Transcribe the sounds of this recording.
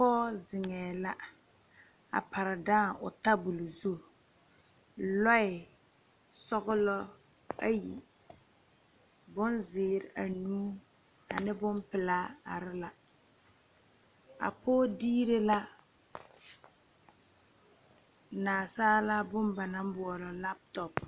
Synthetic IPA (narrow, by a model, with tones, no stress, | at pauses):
pɔː˦zɪ˨ŋɛː˨la˦ | a̰˨pa˨ɾɪ˨daː˦˨ʊ̰˨ta˦bu˨lu˨zu˦˨ | lɔ˦ɪ˨ | sɔ˦ɣʊ˦lɔ˦ | a˦jḭ˨ | bʊ˦nzɪː˨ɾɪ˨ʔa˨nuː˦ | a̰˨nɪ˦bʊ˦mpɪ˨laː˦a̰˨ɾɪ˦la˨ | a̰˨pʰoː˦diː˦ɾe˦la˦ | naː˨saː˦la˦bʊ˦mba˨na˨m˦bʊ˨ɔ˨lɔ˨la˦p̚tɔ˨p